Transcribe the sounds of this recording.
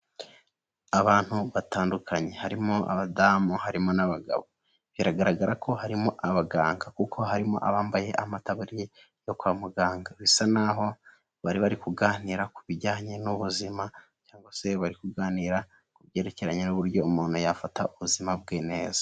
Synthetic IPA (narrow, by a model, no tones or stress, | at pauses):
aβaːn̥huβataːndukʰaɲe̞haɾimoa̰βadamuhaɾimo̞naβaɡa̰βo̞ | βiɾaɡaɾaɡaɾakʰo̞haɾimo̞ʔaβaɡaːŋɡakukʰo̞ɦaɾimo̞̰ʔaβaːmbaje̞ʔamataβuɾije | jo̞kwaːmuɡaːŋɡaβisanaɦo̞ | βaɾiβaɾikuɡaːniːɾakuβiɾɟaːɲe̞nuβuzima | caːŋɡwase̞βaɾikuɡaːniːɾa | kuβje̞ːɾe̞ce̞ɾaɲenuβuɾjo̞umuːn̥hujafatauβuzimabɡeːne̞ːzḁ